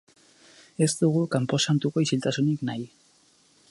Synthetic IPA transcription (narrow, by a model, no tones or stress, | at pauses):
e̞zt̪uɣukampo̞sant̪uko̞isilt̪asuniknaj